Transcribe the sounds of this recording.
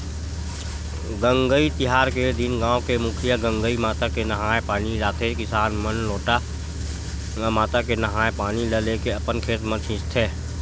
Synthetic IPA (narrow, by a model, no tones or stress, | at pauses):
ɡə̃ŋɡəit̪ɪɦaːɾked̪ɪnɡãːõkemʊkʰijaɡə̃ŋɡəimaːt̪akenəɦaːepaːniɾaːt̪ekɪsaːnmənloːʈa | maːt̪akenəɦaːepaːniləlekeəpənkʰeːt̪mə̃t͡ʃʰɪ̃st̪ʰeː